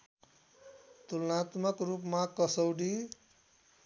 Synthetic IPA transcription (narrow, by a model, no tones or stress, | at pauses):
t̪ulʌnat̪mʌkrupmakʌsʌwɽi